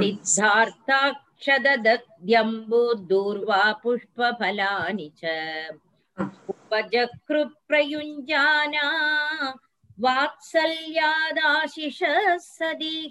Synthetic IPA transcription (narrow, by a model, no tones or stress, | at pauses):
nid̪ʱːaːɾt̪ʰaːk | ʂɐd̪ɐd̪ɐk̚d̪jɐmbud̪uːɾʋaːpuʂpɐbʱɐlaːnit͡ʃɐ | upɐd͡ʒɐkɾut̪̚pɾɐjuɲd͡ʒaːna | ʋaːt̪sɐljaːd̪aːʃiʂɐsɐd̪i